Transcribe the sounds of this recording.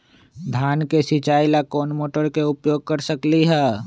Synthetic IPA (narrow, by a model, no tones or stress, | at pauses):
d̪ʱjaːnkesɪt͡ʃaːilakoːnmoːʈəɾkeʊpjoːɡ̚kəɾsəkliɦɛː